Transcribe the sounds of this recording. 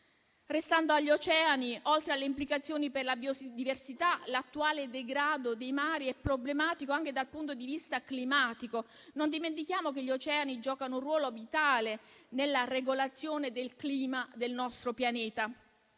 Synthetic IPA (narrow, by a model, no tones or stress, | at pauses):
rest̪and̪oaʎːot͡ʃɛːaniʔolt̪ɾealːeimplikat̪sːjoːniperlabjod̪iversit̪alat̪ːuaːled̪eɡɾaːd̪od̪ejmaːɾiɛpːɾoblemaːt̪ikoaŋk̟ed̪alpunt̪od̪ivist̪aklimaːt̪iko | nond̪iment̪̬ikjaːmok̟eʎːiot͡ʃɛːanid͡ʒɔːkanourwɔːlovit̪aːlenelːareɡolat̪sːjoːned̪elkliːmad̪elnɔst̪ɾopjaneːt̪a